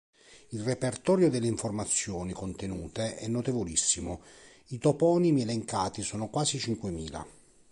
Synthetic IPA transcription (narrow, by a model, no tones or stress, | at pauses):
ilrepert̪ɔːɾjod̪elːeiɱformat̪sːjɔːnikont̪enuːt̪eʔɛnːot̪evolisːimʊ | it̪opɔːnimiɛleŋkaːt̪isɔːnokwaːzit͡ʃiŋkwemiːla̰